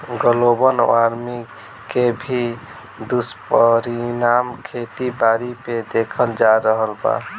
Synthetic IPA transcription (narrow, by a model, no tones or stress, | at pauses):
ɡəlobənaɾmi | kebʱi | d̪uspəɾinamkʰet̪ibaɾiped̪ekʰəld͡ʒaɾəɦəlba̰